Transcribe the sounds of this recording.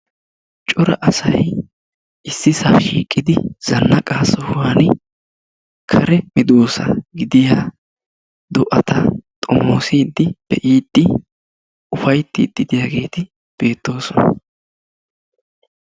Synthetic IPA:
t͡ʃʼɔɾɐ̰ʔɐsɐj | ʔɪsːɪsaːʃḭːkʼːɪd̪ɪz̥ɐnːɐkʼaːsɔhʊwaːn | kʰɐɾɛmɪd̪oːsɐ̰ɡɪd̪ɪjaː | d̪ɔʔɐt̪ɐt̪ʼɔmo̞ːsiːd̪ːɪb̥ɛʔiːt̪ːɪ | ʊfɐjt̪ːɪːd̪̥ːɪd̪ɪjaːɡe̞ːt̪ɪ | b̥e̞ːt̪ːo̞ːsɔnɐ̰

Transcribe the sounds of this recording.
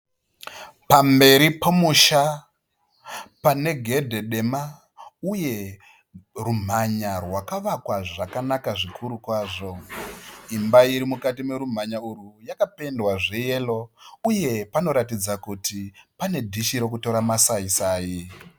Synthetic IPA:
pambe̞ɾipomuʃa | pane̞ɡʱe̞dʱe̞ɗe̞ma | uje̞ | rum̤aɲarwakaʋakwaʐakanakaʐikʰuɾukwaːʐo̞ | imbaiɾimukatime̞ɾum̤aɲaurujakape̞ndwaʐe̞je̞lo̞uje̞pano̞ɾatid͡zakutipane̞dʱiʃiɾo̞k̬uto̞ɾamasaisaːji

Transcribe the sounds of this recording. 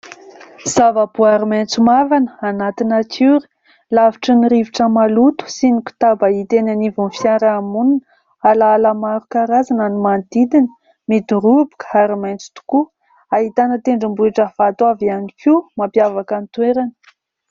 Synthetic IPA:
z̥avəbuaɾiment͡sumavanə̥anat̪inakʰuɾi̥ | laviʈ͡ʂəniɾiviʈ͡ʂəmalut̪u̥siniku̥t̪abait̪enanivunfjaɾaːmunin | alaːlamaɾukaɾazananimand̪id̪inə̥ | mid̪uɾubu̥kə̥aɾimajnt͡su̥t̪u̥ku | aɦit̪anət̪eɳɖ͡ʐimbuiʈ͡ʂəv̥at̪uavianikimampjavakant̪weɾanə̥

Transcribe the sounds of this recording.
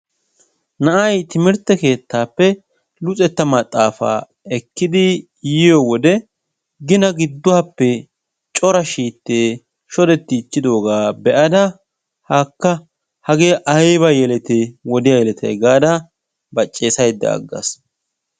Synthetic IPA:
nɐʔɐjt̪ɪmɪɾt̪ːɛke̞ːt̪ːaːpːɛ | lʊt͡sʼɛt̪ːɐmɐt̪ʼːaːfa̰ː | ɛkːɪd̪ɪ | jɪjɔwɔd̪ɛ | ɡɪnɐɡɪd̪ːʊapːɛ | t͡ʃʼɔɾɐʃiːt̪ːeː | ʃɔd̪ɛt̪ːɪːt͡ʃːɪd̪o̞ːɡaːbɛʔɐd̪ɐ | haːkːɐ | hɐɡeːʔɐjbɐjɛlɛt̪ewɔd̪ɪjajɛlɛt̪ʰɛ̰jɡaːd̪ɐ | bɐt͡ʃʼːe̞ːsɐjd̪ːɐ̰ɐ̰ɡːɐ̰s

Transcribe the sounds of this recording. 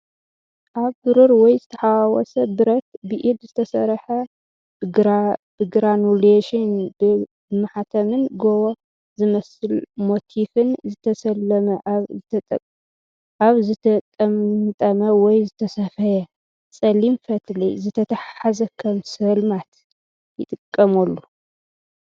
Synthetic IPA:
ʔaβbɨɾuɾwɔjzɨt̪ʰɐħawawɔ̰sɐbɨɾɐt̪̚bɨʔid̪zɨt̪ʰɐsɐɾħɐ | b̥ɨɡɾanuleʃɪnbɨ | mɨħat̪ʰɐmɨnɡowo | zɨmɐsɨlmo̞t̪ʰifɨnzɨt̪ʰɐsɐlːɐmɐʔβʼ | aβzɨt̪ʰɐt̪ʼɐmt̪ʼɐmɐwɔjzɨt̪ʰɐsɐfɐjɐ | t͡sʼɐlimfɐt̪ʰlḭzɨt̪ʰɐt̪ʰaħħazɐkʰɐmsɐlmat̪ | jɪt̪ʼɨkʼːɐmɐlːu

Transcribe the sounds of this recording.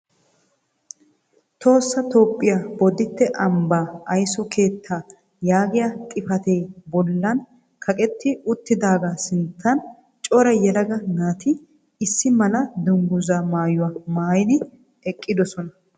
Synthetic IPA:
t̪ʰo̞ːsːɐt̪o̞ːpʼːɪjabɔd̪ɪt̪ːɛʔɐmbaːɐjsɔkʰe̞ːt̪ʰːaː | jaːɡɪjakʼɪfɐt̪ejbɔlːɐn | kʰɐkʼɛt̪ːɪʊt̪ːɪd̪aːɡaːsɪnt̪ʰːɐn | t͡ʃʼɔɾɐjɛlɐɡɐnaːt̪ɪ | ɪsːɪmɐlɐd̪ʊŋɡʊzaːmaːjʊwaːmaːjɪd̪ɪ | ɛkʼːɪd̪ɔsɔnɐ

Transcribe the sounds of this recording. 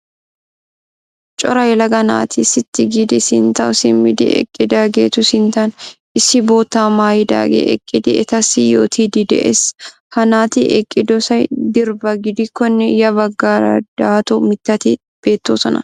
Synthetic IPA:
t͡ʃʼɔɾɐjlɐɡɐna̰ːt̪ʰisɪt̪ːɪɡɪd̪ɪsɪnt̪ɐʊsɪmɪd̪ɪ̰ʔɛ̰kʼːɪd̪aɡeːt̪ʊsɪnt̪ɐn | ɪsːɪbo̞ːt̪ːaːmaːjɪd̪a̰ːɡḛʔɛ̰kʼːɪd̪ɪʔɛt̪ɐsɪjo̰ːt̪ʰiːd̪ɪd̪ɛʔḛːs | hɐnaːt̪iʔɛkʼːɪd̪ɔsɐjd̪ɪɾbɐɡɪd̪ɪkːɔnːɛjɐbɐɡːaːɾɐ̰d̪̥aːt̪ɔmɪt̪ːɐt̪ɪ | b̥e̞ːt̪ːoːsɔnɐ̰

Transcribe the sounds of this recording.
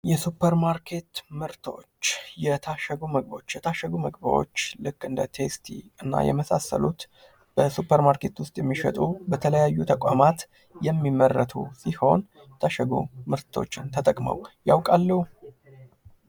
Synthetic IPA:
jɛsupʰːəɾmaɾkʰe̞t̪mɨɾt̪ʰo̞̰t͡ʃːjɛt̪ʰaʃəɡuməɡbot͡ʃːjɛt̪ʰaʃːəɡuməɡbəwo̞̰t͡ʃːlɨkʼːɨnd̪ət̪ʰe̞st̪ʰḭɨnːa̰jɛ̰məsasə̰lut̪ | b̥əsupʰːəɾmaɾke̞t̪wʊst̪ʼjɛmːiʃə̰t̪ʼubət̪ʰələjajːut̪ʰəkʼamat̪ | jɛmːimːərːət̪ʰṵsiho̞n | t̪ʰaʃəɡṵmɨɾt̪ʰo̞̰t͡ʃːɪnt̪ʰət̪ʼəkʼmə̰wjawkʼalːəhu

